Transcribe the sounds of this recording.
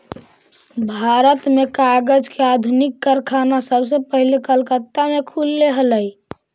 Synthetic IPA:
bʱaɾət̪mekaɡəd͡ʒkead̪ʱunikːəɾkʰanasəbʱsə̃pəɦilekəlkət̪ːamekʰulːeɦələj

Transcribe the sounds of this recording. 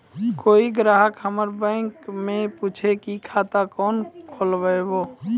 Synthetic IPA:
koːiɡɾaːɦəkɦəməɾbɛ̃ːŋkmẽpuːt͡ʃʰekikʰaːt̪akɔːnkʰoːlbəeboː

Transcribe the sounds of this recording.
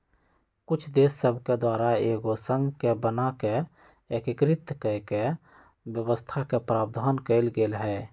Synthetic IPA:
kʊt͡ʃʰd̪eːsːəbʱked̪waːɾaeːɡosə̃ŋɡkebənake | ekəkɾɪt̪kəke | bjəwəst̪ʰakepɾaːb̚d̪ʱankəɪlɡelɦɛː

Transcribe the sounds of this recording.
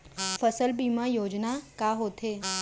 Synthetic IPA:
fəsəlbiːmajoːd͡ʒnakaɦoːt̪eː

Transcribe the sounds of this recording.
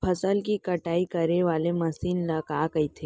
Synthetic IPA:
pʰɐsəlkikɐʈaːikɐɾeʋaːlemɐsiːnlɐɡaːkɐit̪ʰeː

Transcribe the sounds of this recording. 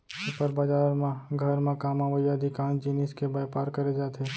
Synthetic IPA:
pəɾbad͡ʒaːɾmãɡʱɐɾmãkaːmãʋəjad̪ʱɪkãːnd͡ʒineːskebɐjpaːɾkɐɾed͡ʒaːt̪ʰeː

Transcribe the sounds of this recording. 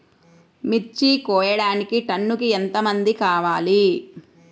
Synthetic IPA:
mit͡ʃːikɔːjɐɽaːnikiʈɐnːukient̪ɐmɐnd̪ikaːʋaːli

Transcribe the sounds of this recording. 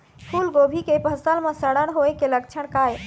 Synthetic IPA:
pʰulɡobʱikepəsəlmẽsəɽəɽɦoekelək̚t͡ʃʰəɽ̃kaj

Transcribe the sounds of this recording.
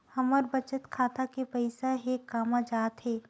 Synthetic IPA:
hɐməɾbɐt͡ʃət̪kʰaːt̪akepɐɪsaɦeːkːaːmãd͡ʒaːt̪ɦɛː

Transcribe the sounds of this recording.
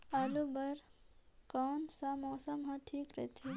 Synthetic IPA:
ɐlubɐɾkɔːnsamɔːsəmɦãʈʰiːkɾɐ̰t̪ʰi

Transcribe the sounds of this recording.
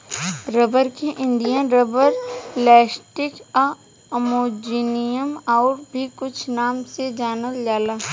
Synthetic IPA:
ɾəbəɾkeʔɪ̃nd̪ijãɾəbəɾlɛːsʈɪka | ɐmoːd͡ʒiːnijəmɔːɾbʱikʊt͡ʃʰnaːmsed͡ʒaːnəld͡ʒaːlaː

